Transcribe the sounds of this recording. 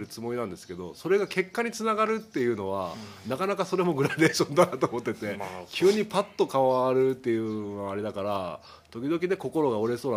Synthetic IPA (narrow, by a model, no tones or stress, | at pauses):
ɾɯ̟t͡sɨmo̞inãnd̪e̞sɨ̥ke̞d̪o̞̰so̞ɾe̞ɡake̞kːaɲ̟it͡sɨnaɡaɾɯ̟t̪ːe̞jɯ̟ːno̞β̞a | nakanakaso̞ɾe̞mo̞ɡɯ̟ɾad̪e̞ːɕõ̞nd̪anat̪o̞ːmo̞t̪ːe̞t̪e̞kʲɨːɲ̟ipat̪ːo̞kaβaɾɯ̟t̪ːe̞jɯ̟ooβaaɾʲed̪akaɾa | t̪o̞kʲid̪o̞kʲid̪eko̞ko̞ɾo̞ɡao̞ɾe̞so̞ːna